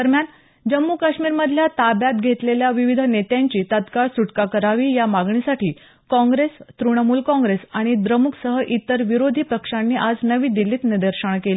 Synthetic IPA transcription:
əɾmjan | d͡ʑəmːukaɕmiːɾməd̪ʱljat̪abjat̪̚ɡʱet̪leljaʋiʋid̪ʱənet̪jaɲt͡ɕiːt̪ət̪kaɭsuʈkakəɾaʋiːjamaɡɳisaʈʰiː | kɔ̃ŋɡɾest̪ɾuɽəmuːlkɔ̃ŋɡɾesaɽ̃id̪ɾəmuksəɦəʔit̪əɾʋiɾod̪ʱiːpɾəkʂanːiːʔad͡znəʋiːd̪ilːiːt̪nid̪əɾɕəɳ̃keli

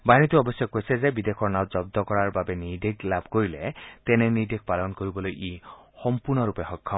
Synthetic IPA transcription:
banit̪uɔbɔsjɔkːojsɛzebid̪ekʰɔɹnawzɔb̚d̪ɔkɔɹaɹbabɛnideɡlabʱkoɹilɛt̪ɛnɛnid̪ek̚palɔnkoɹibɔlojʔexɔmpuɹnɔɹupɛxɔkʰːa

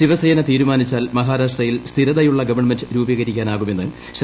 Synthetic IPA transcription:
iʋɐsɐjɐnɐt̪iːɾumaːnit͡ɕːaːlmɐɦaːɾaːʂʈrɐjilst̪ʰiɾɐðɐjuɭːɐɡɐʋɐɳɐmendɨɾuːbɐɣɐɾikʲːaːnaːɣume̞nːɨ | ɕ

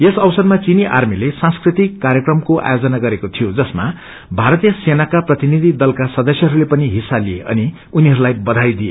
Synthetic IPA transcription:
esʌwsʌrmat͡siniʔa̰rmilesãnskrit̪ikːaɾjʌkrʌmkoʔa̰jod͡zʌnaɡʌɾekot̪ʰijod͡zʌsma | bʱaɾʌt̪ijʌsenakaprʌt̪inid̪ʱid̪ʌlkasʌd̪ʌsjʌɦʌɾulepʌniɦisalijeʔʌ̰ni | uniɦʌɾulajbʌd̪ʱajd̪ijḛ

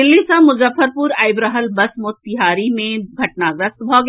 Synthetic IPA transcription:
ɪlːisamʊzəfʰəɾpuːɾaːɪbɾəɦəlbɐsmʊt̪t̪ɪɦaːɾimẽɡʱɐʈ̚naɡɾəst̪bʱoːɡ

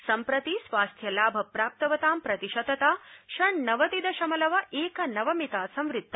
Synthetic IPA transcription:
sɐmpɾɐt̪isʋaːst̪ʰjɐlaːbʱɐpɾaːp̚t̪ɐʋɐt̪aːmpɾɐt̪iʃɐd̪ɐt̪aːʃɐɳnɐʋɐt̪id̪ɐʃɐmɐlɐʋɐʔeːkɐnɐʋɐmit̪aːsɐ̃mʋɾɪt̪ːɐ

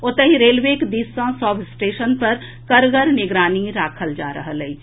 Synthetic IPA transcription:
ot̪əɦiɾeːlʋeːkd̪iːsãsɔːbsʈeːʃənpɐɾ | kɐɾɡəɾnɪɡɾaːniɾaːkʰəld͡ʒaːɾɐ̰ɦələiː

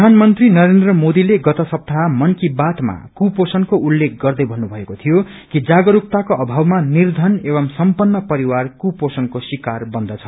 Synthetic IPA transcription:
anmʌnt̪rinʌɾend̪rʌmod̪ileɡʌt̪ʌsʌp̚t̪ʰamʌnkibat̪ma̰kuposʌnkoʔulːek̚ʰɡʌrd̪ʌjbʱʌnːubʱʌekot̪ʰijo | kid͡zaɡʌɾup̚t̪akoʌbʱawmanird̪ʱʌnebʌmsʌmpʌnːʌpʌɾiwarkuposʌnkosikarbʌnd̪ʌt͡sʰʌ̥

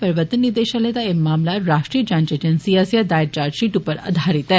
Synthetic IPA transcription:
pəɾʋət̪ənːid̪eɕalet̪aemamlaɾaʂʈɾiəd͡ʑãɲt͡ɕed͡ʑənsiəsjad̪ajɾt͡ɕaɾɕiʈupəɾə̰d̪ʱaɾit̪ɛ

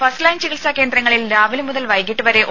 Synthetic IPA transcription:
fɐslɐjnt͡ɕiɣilsake̞ːnd̪rɐŋːɐɭilɾaːʋilmuðɐlʋɐjkːiʈːɨʋɐɾe̞ʔ

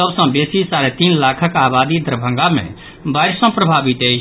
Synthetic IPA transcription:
səbsə̃besisaɾet̪inlakʰəkabad̪id̪ʱɾbʱə̃ŋɡamḛ̃ | bajɾsə̃pɾəbʱabit̪əjt͡ʃʰ

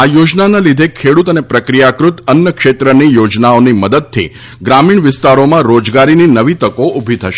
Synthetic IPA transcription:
ajod͡ʒnanalid̪ʱekʰeɽut̪ənepɾəkɾijakɾut̪ənjəkʃet̪ɾənijod͡ʒnaoniməd̪əd̪̚t̪ʰḭ | ɡɾamiɳʋɪst̪aɾomãɾod͡ʒɡaɾininəʋit̪əkoʔubʱit̪ʰəʃ

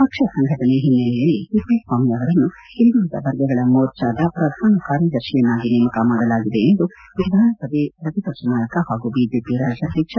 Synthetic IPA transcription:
pɐkʂɐsɐŋɡʱɐʈ̪ɐneɦinːɐlɛjɐlːikipɐːʈʋaːmijɐːʋɐɾɐnːu | ind̪iɐd̪ɐ̰ʋɐɾɡɐɡɐɭɐmoːɾt͡ʃaːd̪ɐpɾɐd̪ʱaːnɐkaːɾjɐd̪ɐɾʃijɐnːaːɡineːmɐkɐmaːɽɐlaːɡid̪e̞end̪u | ʋid̪ʱaːnɐsɐd̪eɾɐt̪it̪ɐʂɐnaːjɐkɐhaːɡubiːd͡ʒeːpiɾaːd͡ʒjɐʃikʂɐ

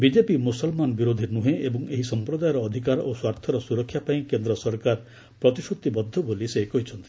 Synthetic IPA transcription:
bid͡ʒepimusɔlmanɔbiɾod̪ʱiɾnuɦẽebɔŋeɦisɔmpɾod̪ajɔɾɔːd̪ʱikaɾoswaɾt̪ʰɔɾɔsuɾɔkʰːjapaĩkend̪ɾɔsɔɾkaɾ | pɾɔt̪iʃut̪ːibɔd̪ʱːɔbolisekoɦit͡ʃʰɔnt̪i̥

